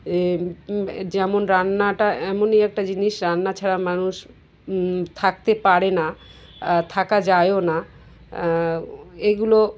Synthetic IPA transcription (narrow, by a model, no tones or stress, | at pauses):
e | d͡ʑɛmonɾanːaʈaɛmonejɛk̚ʈad͡ʑiniʃɾanːat͡ɕʰaɽamanuʃ | t̪ʰak̚t̪epaɾena | t̪ʰakad͡ʑajona | eɡulo